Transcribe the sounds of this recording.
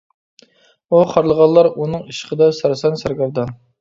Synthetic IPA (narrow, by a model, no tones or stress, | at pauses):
uχʰɑɾlˠəʁɑllˠːɑɾunɨŋiʃə̥qəd̪ɑsæɾsɑnsæɾɡɑɾd̪ɑn